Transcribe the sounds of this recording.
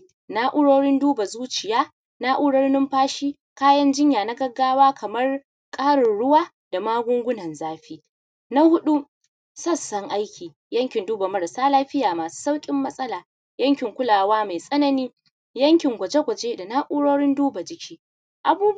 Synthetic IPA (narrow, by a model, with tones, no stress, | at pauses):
na˦ʔʊ˦ɽoː˦ɽɪ˦nduː˦ba˨zuː˦t͡ʃɪ˨jaː˦ | na˦ʔuː˦ɽɐ˦rnɪ˦mɸaː˦ʃiː˦ | kaː˦jɐ˦nd͡ʒɪ˦ɲjaː˨na˦ɡɐ˦ɡːaː˦waː˦kɐ˨mɐ˦r | kʼaː˦ɽɪ˨ɽʊ˦waː˦ | d̥a˨maː˦ɡʷʊ˦ŋɡʷʊ˦nɐ˨nzaː˦ɸiː˦ | na˦hʊ˦ɗu˦ | sɐ˦˨sːɐ˦ŋʔa˦jkʲʰiː˨ | jɐ˦ŋkʲɪ˨nduː˦ba˨mɐ˦ɽsaː˦laː˦ɸɪ˦jaː˨maː˨su̥ː˦sa˦wkʲʼɪ˦mːɐ˦sʼɐ˦laː˨ | jɐ˦ŋkʲɪ˨ŋkʷʊ˦laː˨waː˦ma˨jsʼɐ˦nɐ˦niː˦ | jɐ˦ŋkʲɪ˨ŋɡʷɐ˨d͡ʒe˦ɡʷɐ˨d͡ʒeː˦da˨na˦ʔʊ˦ɽoː˦ɽɪ˦nduː˦ba˨d͡ʒɪ˨kʲʰiː˦ | ʔa˨buː˦